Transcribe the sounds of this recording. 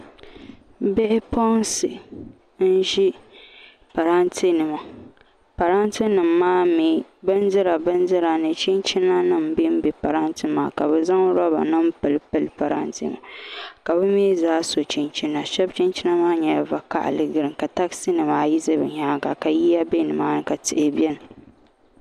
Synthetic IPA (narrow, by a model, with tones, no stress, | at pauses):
bɛ˦ʔpɔ˦nsɨ˨ | n̩˦ʒi˦ | pa˨ɾa˦ntʰi˦nɨ˨ma˨ | pa˨ɾa˦ntɨ˦nɨ˨mːaː˦mi˨bɨ˦n˦zɨ˦ɾa˨bɨ˦n˦zɨ˦ɾa˨nɨ˨t͡ʃi˦nt͡ʃi˦na˦nɨ˦m˨bi˦m̩˦bi˨pa˨ɾa˦ntɨ˦maː˦ka˨bɛ˨za˦ŋ˦ɾɔ˦ba̰˨nɨ˦m̩˦pɨ˨lpɨ˨lpa˨ɾa̰˦ntɨ̰˦ma̰˨ka˨bɨ˦m˦e˦zaː˦so˨t͡ʃi˦nt͡ʃi˦na˨ʃɛ˦b̚t͡ʃi˦nt͡ʃi˦na˦maː˦ɲɛ˨ja˨va˨ka̰˦ʔa̰˨lɨ˦ɡɨ˦ɾɨ˨ka˨ta˦ksɨ˦nɨ˨maː˦ji˦zɨ˦bɨ˨ɲa˦ɡa˨ka˨ji˦ja˦be˦nɨ˨maː˦nɨ˨ka˨tɨ˦ʔɪ˦bjɛ˦nɨ˨